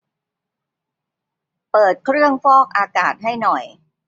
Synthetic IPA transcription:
pɤː˨˩t̪̚kʰɾɯ˥˩əŋfɔː˥˩k̚ʔaː˧kaː˨˩t̪̚ɦa˥˩jnɔ˨˩j

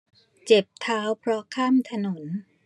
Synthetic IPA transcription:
t͡ɕe˨˩p̚t̪ʰaː˦˥wpʰɾɔ˦˥kʰaː˥˩˨mt̪ʰa˧no˩˦n

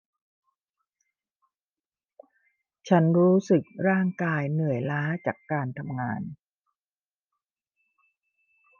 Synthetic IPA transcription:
t͡ɕʰa˦˥nɾuː˦˥sɯ˨˩k̚ɾaː˥˩ŋkaː˧jnɯ˨˩əjlaː˦˥t͡ɕaː˨˩kːaː˧nt̪ʰa˧mŋaː˧n

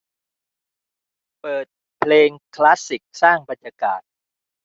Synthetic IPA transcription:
pɤː˨˩t̪̚ | pʰleː˧ŋkʰla˦˥si˨˩k̚saː˥˩ŋba˨˧njaː˧ka̰ː˨˩t̪̚

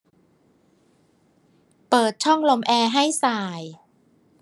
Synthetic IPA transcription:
pɤː˨˩t̪̚t͡ɕʰɔ˥˩ŋlo˧mʔɛː˧ɦa˥˩jsaː˨˩j

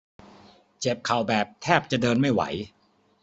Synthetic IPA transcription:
t͡ɕe˨˩p̚kʰa˨˩wbɛː˨˩p̚t̪ʰɛː˥˩p̚t͡ɕa˨˩dɤː˧nma˥˩jwa̰˩˦j

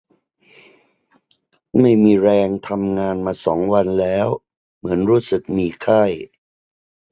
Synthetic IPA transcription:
ma˥˩jmiː˧ɾɛː˧ŋt̪ʰa˧mŋaː˧nmaː˧sɔː˩˦ŋwa˧nlɛː˦˥w | mɯ˩˦ənɾuː˦˥sɯ˨˩k̚miː˧kʰa˥˩j

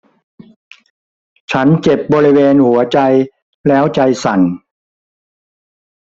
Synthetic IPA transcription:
t͡ɕʰa˦˥nt͡ɕe˨˩p̚bɔː˧ɾi˦˥weː˧nhu˩˦ɐt͡ɕa˧j | lɛː˦˥wt͡ɕa˧jsa˨˩n

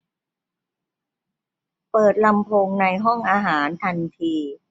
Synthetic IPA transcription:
pɤː˨˩t̪̚la˧mpʰo˧ŋna˧jɦɔ˥˩ŋʔaː˧ɦaː˩˦nt̪ʰa˧nt̪ʰiː˧

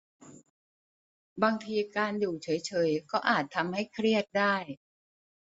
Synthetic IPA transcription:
baː˧ŋt̪ʰiː˧kaː˧nduː˨˩t͡ɕʰɤː˩˦jt͡ɕʰɤː˩˦jkɔː˥˩ʔaː˨˩t̪ʰːa˧mha˥˩jkʰɾi˥˩ət̪̚daː˥˩j

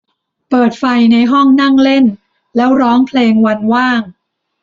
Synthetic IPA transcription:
pɤː˨˩t̪̚fa˧jna˧jɦɔ˥˩ŋna˥˩ŋle˥˩n | lɛː˦˥wɾɔː˦˥ŋpʰleː˧ŋwa˧nwaː˥˩ŋ

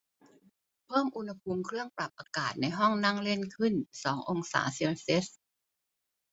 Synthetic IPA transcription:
pʰɤː˥˩mʔu˧nha˧pʰu˧mkʰɾɯ˥˩əŋpɾa˨˩p̚ʔaː˧kaː˨˩t̪̚na˧jɦɔ˥˩ŋna˥˩ŋle˥˩nkʰɯ˥˩nsɔː˩˦ŋʔo˧ŋsa̰ː˩˦si˧se˦˥s̚

